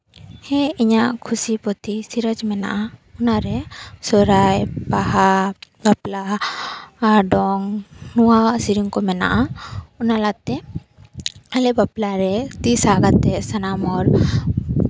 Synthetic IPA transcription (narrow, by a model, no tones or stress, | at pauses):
hɛiɲaʔkʰusipɔt̪isiɾəd͡ʒmɛna̰ʔaɔnaɾɛsɔɾajbaɦabaplaː | ɾɖɔŋnuwasiɾiŋkɔmɛna̰ʔaɔnalat̪ɛ | alɛbaplaɾɛt̪isaɡat̪ːɛsanamɔɾ